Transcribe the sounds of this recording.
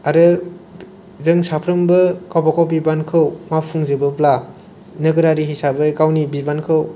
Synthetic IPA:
aɾɯ | zɯŋsapʰɾɯmbɯkawbakawbibankʰɯwmapʰuŋzɯbɯpla | nɯɡɯɾaɾiɦisabɯkawnibibankʰɯw

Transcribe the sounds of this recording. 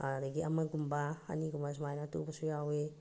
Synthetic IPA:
aɾeɡiamaɡumbaa̰nikumas̬majnat̪ṵbasujawe

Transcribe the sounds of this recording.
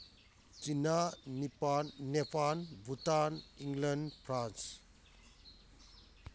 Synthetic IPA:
t͡ʃinanipanːepʰanbʱutaniŋlenpʰɾans

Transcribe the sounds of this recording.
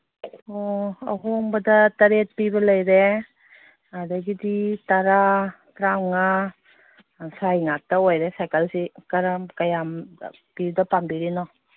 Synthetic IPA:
ɔa̰ɦoŋbɐdataɾet̚pibɐlajɾe | adaɡiditaɾa | tɾawŋa | sajŋak̚taojɾesajkalsikaɾamkajam | pidapambiɾinɔ

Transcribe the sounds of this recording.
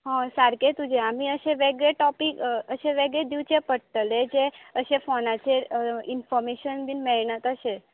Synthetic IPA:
ɦɔ̃saɾket̪ũd͡ʒeamĩəʃeʋeɡeʈɔpikəʃeʋɛɡed̪iʋt͡ʃepəʈəled͡ʒeəʃefɔnat͡ʃʰeinfɔɾmeʃənbinmɛɳət̪əʃe

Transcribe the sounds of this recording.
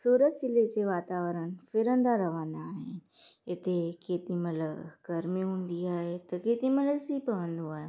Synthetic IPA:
suːɾət̪sɪled͡ʑeʋaːt̪aːʋəɾənfɪɾə̃nd̪aɾɐʋãːnd̪aːɦɪn | ɪt̪ekeːt̪imɐləbɡɐɾmiɦũːnd̪iaːɦet̪ɐkeːt̪imələsipɐʋə̃nd̪oaːɦe

